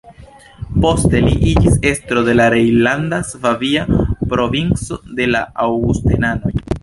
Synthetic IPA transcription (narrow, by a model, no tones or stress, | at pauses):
po̞ste̞liʔid͡ʒise̞stɾo̞de̞laɾejlandasvaviapɾo̞vint͡so̞de̞la̰awɡustḛnano̞j